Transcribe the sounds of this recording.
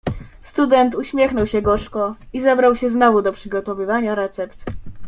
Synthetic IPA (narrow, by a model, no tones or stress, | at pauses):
st̪ud̪ɛnt̪uɕmʲjɛxnɔwɕɛɡɔʂkɔizɛbɾawɕɛznɔvud̪ɔpʂɘɡɔt̪ɔvɘvaɲaɾɛt̪sɛpt̪